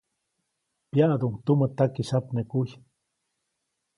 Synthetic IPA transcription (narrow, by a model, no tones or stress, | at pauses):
pjaʔd̪uŋt̪umət̪akisapnekuj